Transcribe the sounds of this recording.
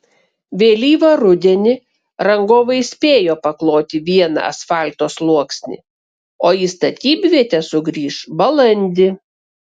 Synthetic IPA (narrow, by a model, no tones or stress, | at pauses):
ʋʲeːlʲiːʋɐɾʊd̪ʲɛnʲɪ | ɾɐŋɡoːʋɐɪsʲpʲeːjoːpɐklˠoːt̪ʲɪʋʲiɛnɐ̰ɐ̰sfɑˑlʲt̪oːslˠuɔksʲnʲɪ̰ | oːiːst̪ɐt̪ʲiːbʲʋʲiɛt̪ʲɛsʊɡɾʲiːʃbɐlˠɐnʲd̪ʲɪ